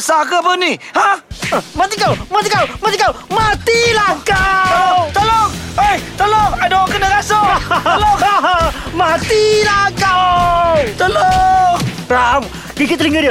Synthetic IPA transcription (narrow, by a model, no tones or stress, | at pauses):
sakəpənihamat̪ikawmat̪ikawmãt̪ikawmat̪ilakat̪əloəjt̪əloadokənəɡasolo | mat̪ilaka | t̪əlo | ɾam | kikit̪liŋɡədi